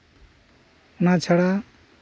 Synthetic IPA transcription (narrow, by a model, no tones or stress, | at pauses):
unat͡sʰeɽa